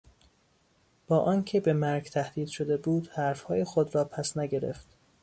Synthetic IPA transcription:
b̥ɒːʔɒːncʰe̞bemæɾɡt̪ʰæhd̪̥iːd̪̥ʃod̪ebuːd̪̥hæɾfhɒːjexod̪ɾɒːpʰæsnæɟe̞ɾḛft̪

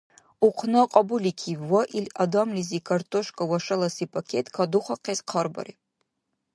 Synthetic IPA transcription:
uqʷʰnɨqʼɐbulikʲʰiwɐʔiladamlizikʰartʰoʃkʼɐwɐʂɐlɐsipʰakʲʰetʼkʰaduχʷɐqʰezqʰɐrbɐ̰ɾi

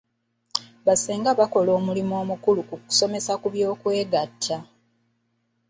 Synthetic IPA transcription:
βaseːŋɡaβako̞lo̞ːmulimoːmukulukuku̥so̞me̞sakuβjo̞ːkwe̞ːɡatʰːa

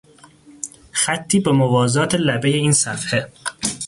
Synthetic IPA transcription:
xæt̪ʰːiːbemovɒːzɒːt̪ʰelæbe̞jeiːnsæfhe

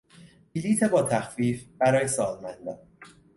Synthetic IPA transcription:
biliːt̪ʰe̞bɒːt̪ʰæxfiːfbæɾɒːjesɒːlmænd̪ɒ̰ːn

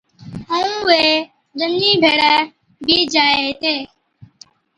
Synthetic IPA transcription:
əũːʋeː | ɾənd͡ʒiːbʱeːɽəː | bʱiːd͡ʒaːeːt̪eː

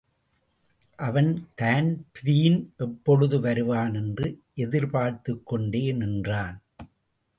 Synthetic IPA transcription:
ʔɐʋɐnt̪aːnpɾiːnʔɛpːɔɻɯðɯʋɐɾɯʋaːnɛndrɯʔɛðɪɾpaːɾt̪ɯkːɔɳɖeːnɪndraːn

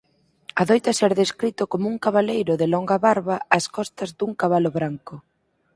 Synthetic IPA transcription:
ɐðojt̪ɐsɛɾðeskɾit̪ʊkomʊuŋkaβ̞alejɾʊðɪlɔŋɡɐβaɾβɐːskɔst̪ɐzd̪uŋkaβalʊβɾaŋkʊ

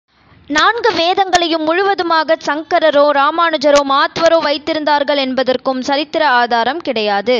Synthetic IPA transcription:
naːnɡɯʋeːðɐŋɡɐɭɐjɯmːʊɻʊʋɐðɯmaːɣɐsɐŋkɐɾɐɾoːɾaːmaːɳɯd͡ʒɐɾoːmaːt̪ʋɐɾoːʋɐɪt̪ːɪɾɯnd̪aːɾɣɐɭɛnbɐðɐrkɯmsɐɾɪt̪ːɪɾɐaːðaːɾɐmkɪɽɐjaːðɯ

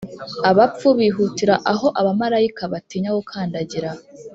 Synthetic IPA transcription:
aβap͡fuβiːɦutiɾaʔaɦo̞ʔaβamaɾaikaβatiːɲawokʰaːndaɟiɾa

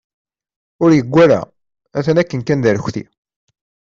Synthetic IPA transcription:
ʊɾjəɡʷːæɾæ̰ | æθənækːənkænðæɾçʷθḭ

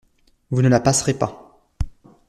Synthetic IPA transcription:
vunəlapasʁepa

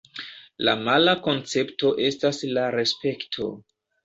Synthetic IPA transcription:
la̰malako̞nt͡se̞pto̞ʔe̞staslaɾe̞spe̞ktʰo̞̰

